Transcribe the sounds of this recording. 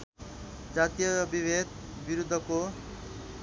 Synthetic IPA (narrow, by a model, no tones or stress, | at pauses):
d͡ʒat̪ijɔbibed̪̚ʱ | biɾud̪ʱːɔko